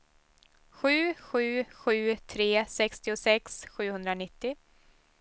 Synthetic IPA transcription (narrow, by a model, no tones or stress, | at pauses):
ɧʉ̟ːɧʉ̟ːɧʉ̟ːt̪ʰɾeːsɛkst̪ɪʊsɛksɧʉ̟ːhɵnd̪ɾanɪt̪ːɪ